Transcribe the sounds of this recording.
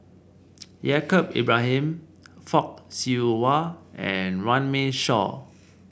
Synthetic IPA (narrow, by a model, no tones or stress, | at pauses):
jɛkəp̚ḛbɹaɦɛ̃m | fɔk̚siwaɛ̰̃nɹãnmẽʃɔ̰